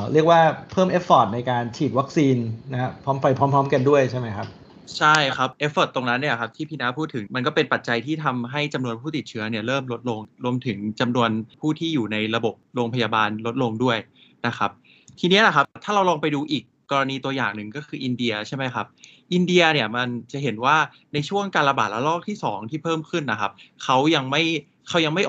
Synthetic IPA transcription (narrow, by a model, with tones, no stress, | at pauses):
ɾi˥˩ək̚waː˥˩pʰɤː˥˩mʔe˦˥pːɔː˨˩t̪̚na˧jkaː˧nt͡ɕʰiː˨˩t̪̚wa˦˥k̚siː˧nːa˦ɦpʰɔː˦˥mfa˧jpʰɔ˦˥mpʰɔː˦˥mka˧ndu˥˩əjt͡ɕʰa˥˩jma˦˥jkʰa˦˥p̚ | t͡ɕʰa˥˩jkʰa˦˥p̚ʔe˦˥foː˨˩t̪ːo˧ŋna˦˥nːi˥˩ɐkʰa˦˥p̚t̪ʰiː˥˩pʰiː˧na˦˥pʰuː˥˩t̪ʰːɯ˩˦ŋma˧nkɔː˥˩pe˧npa˨˩t̪̚t͡ɕa˧jt̪ʰiː˥˩t̪ʰa˧mɦa˥˩jt͡ɕa˧mnu˧ənpʰuː˥˩t̪i˨˩t̪̚t͡ɕʰɯ˦ɐni˥˩ɐɾɤː˥˩mlo˦˥t̪̚lo˧ŋɾu˧əmt̪ʰɯ˩˦ŋt͡ɕa˧mnu˧ənpʰuː˥˩t̪ʰiː˥˩juː˨˩na˧jɾa˧bo˨˩p̚ɾoː˧ŋpʰa˧jaː˧baː˧nlo˦˥t̪̚lo˧ŋdu˥˩əj | na˦˥kʰa˦˥p̚ | t̪ʰiː˧ni˦˥la˨˩kʰa˦˥p̚t̪ʰaː˥ɾa˧wlɔː˧ŋpa˧jduː˧ʔiː˨˩kːɔː˧ɾa˧niː˧t̪u˧ɐja̰ː˨˩ŋnɯ˨ŋkɔː˥˩kʰɯː˧ʔi˧ndi˧ɐt͡ɕʰa˥˩jma˦˥jkʰa˦˥p̚ | ʔi˧ndi˧ɐni˥˩ɐma˧nt͡ɕa˨˩ɦe˩˦nwaː˥˩ | na˧jt͡ɕʰu˥˩əŋkaː˧nla˧baː˨˩t̪̚lɛ˦˥lɔː˥˩k̚t̪ʰiː˥˩sɔ̰ː˩˦ŋt̪ʰiː˥˩pʰɤː˥˩mkʰɯ˥˩nːa˧˩kʰa˦˥p̚kʰa˦˥wja˧ŋma˥˩j | kʰa˦˥wja˧ŋma˥˩jʔ